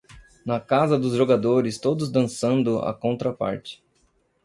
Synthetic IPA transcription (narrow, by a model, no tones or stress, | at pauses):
nɐkazɐd̪ʊzʒoɡad̪oɾɪst̪od̪ʊzd̪ɐ̃sɐ̃nd̪ʊɐ̰kõnt̪ɾɐpa̰ɾt͡ʃɪ̥